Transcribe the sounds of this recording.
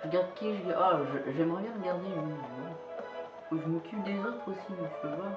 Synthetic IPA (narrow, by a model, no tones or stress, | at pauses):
ʁəɡaʁd̪̚kʲiɛʒəɡaaʒəʒɛmʁɛbjɛ̃ʁəɡaʁd̪eiɛ | uʒəməkʲʰyd̪ezot̪χosimɔ̃ʃəvwa